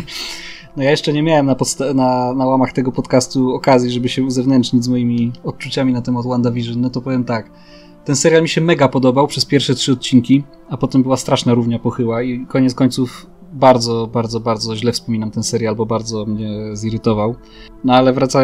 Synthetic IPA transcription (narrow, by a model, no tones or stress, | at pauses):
nɔjajɛʂt͡ʂɛɲɛmʲjawɛmnapɔt̪st̪ananawamaxt̪ɛɡɔpɔt̪kast̪uɔkazʲjiʐɛbɘɕɛuzɛvnɛnt͡ʂɲid͡ʑʲzmɔjimʲiɔt̪̚t͡ʂut͡ɕamʲinat̪ɛmat̪wand̪avʲiʐɘnɔt̪ɔpɔvʲjɛmt̪ak | t̪ɛnsɛɾʲjalmʲiɕɛmɛɡapɔd̪ɔbawpʂɛspʲjɛɾfʂɛt̚ʂɘɔt̪̚t͡ɕiŋkʲi | apɔt̪ɛmbɘwast̪ɾaʂnaɾuvɲapɔxɘwaikɔɲɛt̪skɔɲʲt̪suf | baɾd̪zɔbaɾd̪zɔbaɾd̪zɔʑlɛfspɔmʲinamt̪ɛnsɛɾʲjalbɔbaɾd̪zɔmɲɛziɾɘt̪ɔvaw | nɔalɛvɾat̪sa